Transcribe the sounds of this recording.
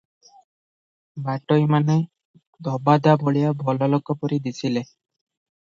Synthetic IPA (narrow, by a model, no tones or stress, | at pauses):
baʈojmane | d̪ʱɔbad̪aboɭijabʱɔlɔlɔkɔpɔɾid̪isʰile